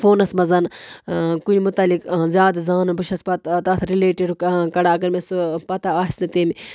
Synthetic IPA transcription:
foːnɐsmɐzɐn | kunʲmʊt̪ɐlikzʲjaːd̪zaːnbɨʃɐspɐt̪t̪ɐsɾileːʈiɖkkɐɽaɐɡɐɾmesupɐt̪aaːst̪it̪eːmi

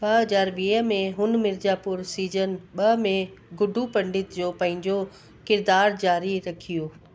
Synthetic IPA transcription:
ɓɐɦɐzaːɾɓiːəmẽɦʊn̆mɪɾd͡ʑaːpʊɾsiːzənɓɐmẽɡʊɖʱupɐ̃ɳɖɪt̪d͡ʑoːpɐ̃ɦɪ̃ɲd͡ʑo | kɪɾd̪aːɾd͡ʑaːɾiɾɐkʰijoː

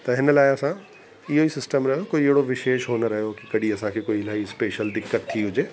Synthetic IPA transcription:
t̪ɐɦɪnəlaːeɐsã | ijoːisɪsʈəmɾɐɦjokoːieɦɽoʋɪʃeːʃɦoːnəɾɐɦejokikɐɽiɐsãːkʰekoːilaːispeːʃəld̪ɪkːət̪ʰːiɦʊd͡ʒeː

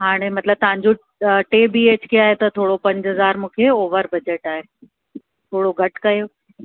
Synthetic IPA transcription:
ɦaːɽ̃emɐt̪ləb̚t̪ɐʋ̤ɦãɲd͡ʑo | ʈeːbieːt͡ɕkʰeaːɦet̪ɐt̪ʰoːɽopɐ̃ɲd͡ʑɦɐzaːɾmũːkʰeoːʋəɾbɐd͡ʑeːʈaːɦeː | t̪ʰoːɽoɡʱɐʈkɐjoː

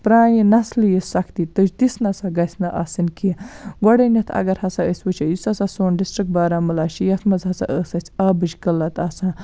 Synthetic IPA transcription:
pɾaːjinɐslijisɐkʰt̪it̪ət͡ʃd̪isnɐsaɡɐsʲnɐʔɐsɨnkiɡɔɽɐnʲɐt̪ʰɐ̰ɡɐɾhɐsaəsʲʋət͡ʃʰɐjisɐsɐsoːnɖisʈɾik̚baːɾaːmɨlaːʃijɐt̪ʰmɐzɦɐsa̰ʔəːsɐt͡sʲʰaːbɨd͡ʒkəlɐt̪ɐsãː

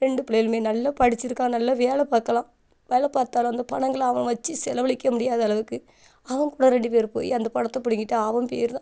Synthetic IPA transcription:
ɾɛɳɖɯpɪleːɪlmeːnɐlːɐpɐɽɪt͡ʃːɪɾɯkːãːnɐlːɐʋeːlɐpaːɾkːɐlãː | ʋeːlɐpaːɾt̪aːlõɐnd̪ɐpɐɳɐŋɡɐɭɐʋɐ̃ʋɐt͡ʃːɯsɛlɐʋɐɭɪkːɐmʊɽɪjaːðɐlɐʋɯkːɯ | ɐʋɐŋkuːɽɐɾɛɳɖɯp̬eːɾpo̰ːjḭɐnd̪ɐpɐɳɐt̪ːɐpʊɽɪŋɡɪʈːɯɐʋɐmpḛːɾt̪ãː

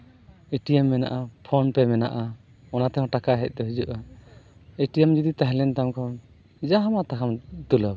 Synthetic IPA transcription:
eʈijamːɛna̰ʔapʰɔnpɛmɛna̰ʔa | ɔnat̪ɛɦɔ̃ʈakaɦɛc̚ˀt̪ɔɦid͡ʒuʔa | eʈijamd͡ʒɔd̪it̪aɦlɛnt̪amkʰɔn | d͡ʒaɦamaʔt̪akʰamt̪ulab

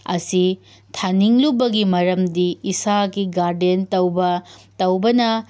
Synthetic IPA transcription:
ɐ̰si | tʰaniŋlubɐɡimɐɾɐmdiːsaɡiɡaɾdentɐwbɐtɐwbɐnɐ

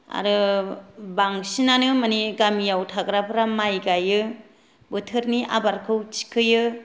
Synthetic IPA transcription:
a̰ɾɯ | baŋsinanɯmaniɡamijawtʰaɡɾapʰɾamajɡajɯ | bɯtʰɯɾniʔa̰baɾkʰɯwt͡ʃi̥kʰːɯjɯ

